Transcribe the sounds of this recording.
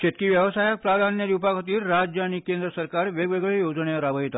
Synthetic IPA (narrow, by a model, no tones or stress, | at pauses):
ket̪̚kiːʋjəʋəsajək̚pɾad̪ʱanjəd̪upakot̪iːɾːad͡ʑjəaɽ̃ikend̪ɾəsəɾkaɾʋeɡʋeɡɭejod͡zɳeɾaʋəɦit̪a